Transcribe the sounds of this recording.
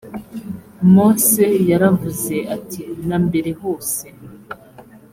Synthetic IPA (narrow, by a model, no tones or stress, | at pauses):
mosejaɾavuze̞atinaːmbe̞ɾe̞ho̞ːse